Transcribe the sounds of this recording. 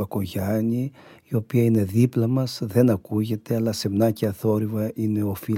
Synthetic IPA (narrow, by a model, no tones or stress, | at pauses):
ɐko̞ʝɐɲiio̞piɐine̞ðiplɐmɐsðe̞nɐkuʝe̞t̪e̞ɐlɐse̞mnɐceɐθo̞ɾivɐʔine̞o̞fi